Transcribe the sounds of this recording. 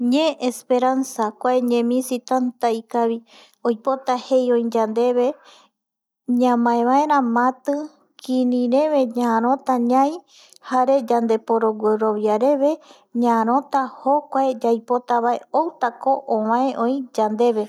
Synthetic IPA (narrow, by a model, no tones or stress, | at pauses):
ɲẽʔespe̞ɾansakʷaeɲẽmĩsit̪ant̪aikaβi | ojpo̞t̪ahe̞jõĩd͡ʒand̪e̞βe | ɲãmãẽβãeɾ̃ãmãt̪ɨ | kʰĩnĩɾẽ̞βe̞ɲãːɾ̃õt̪aɲãj | haɾe̞d͡ʒand̪e̞poɾo̞ɡʷeɾo̞βjaɾe̞βe̞ | ɲãːɾ̃õ̞t̪ahokʷaed͡ʒajpo̞t̪aβae̞owt̪akoʔõwãẽʔõj̃d͡ʒand̪e̞βe̞